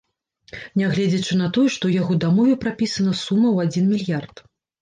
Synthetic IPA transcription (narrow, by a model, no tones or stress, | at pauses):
nʲaɣlʲɛd͡zʲɐt͡ʂɨn̪ɐt̪ɔjɛʂt̪ɔwjaɣɔd̪amɔvʲɛpɾapʲisɐnɐsumːɐwad͡zʲinmʲilʲjart̪